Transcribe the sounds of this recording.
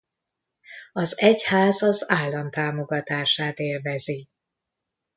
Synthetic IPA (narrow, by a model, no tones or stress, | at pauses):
ɒzɛchaːzɒzaːlːɒmt̪aːmo̞ɡɒt̪aːʃaːt̪eːlvɛzi